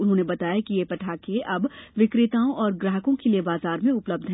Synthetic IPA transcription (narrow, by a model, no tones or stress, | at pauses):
ʊnɦõːnebɐt̪aːjakijepɐʈʰaːkeʔɐbʋɪkɾɪt̪aːõʔɔːɾɡɾəɦəkõkeliebaːzaːɾmẽʊpləb̚d̪ʱɦ